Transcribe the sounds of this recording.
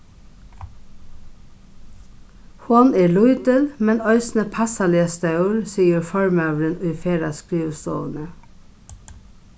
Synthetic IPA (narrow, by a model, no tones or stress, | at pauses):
hʊneːɭʊʏd̪əlmɛnœʏsn̩əpʰɑsɑleːst̪ɑʉəɾsiːəɹfɔɹmøːʋɾənyːfeːɾɑ̰skɾiːʋəst̪o̰ːʋənə